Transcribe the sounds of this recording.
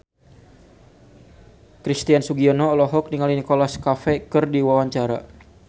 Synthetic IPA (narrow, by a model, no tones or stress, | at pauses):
kɾist̪iansuɡiɔnɔːlɔɦɔk̚niŋalinikolaskafɛkɨrdiwawaɲt͡ʃaɾa̰